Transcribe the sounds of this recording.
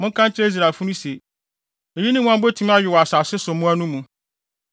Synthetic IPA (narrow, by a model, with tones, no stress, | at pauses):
mʊ̃˦ŋ˦kʰã˦nt͡ɕʰɪ˦e˦i˦s̬ɾa˨fu˦nũ˦se˨ | e˨ji˦nɪ̃˦mũ˦ã˦mbo˦tʰĩ˦m˦a˦ɥɪ˨wɔ˨a˨sa˨sɪ˦sʊ˨˦mũ˦æ˦nũ˦mũ˨